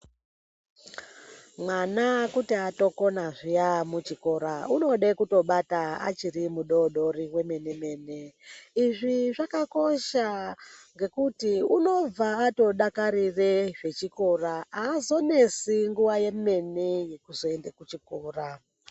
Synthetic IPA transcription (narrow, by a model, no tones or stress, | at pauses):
mwanakutiato̞ko̞naʐijamut͡ʃiko̞ɾauno̞ɗekuto̞ɓataa̰t͡ʃiɾimuɗo̞ɗo̞riwe̞me̞ne̞me̞ːne̞iʐiʐakako̞ʃaŋɡe̞kutiuno̞b͡vaːto̞ɗakaɾireʐe̞t͡ʃiko̞raaːzo̞ne̞siŋɡuʋaje̞me̞neje̞kuzo̞e̞ndekut͡ʃikoːra